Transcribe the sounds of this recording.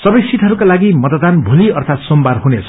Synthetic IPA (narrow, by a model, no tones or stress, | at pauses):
sʌbʌjsit̪ɦʌɾukalaɡimʌt̪ad̪anbʱuliʌrt̪ʰat̪sombarɦunet͡sʰʌ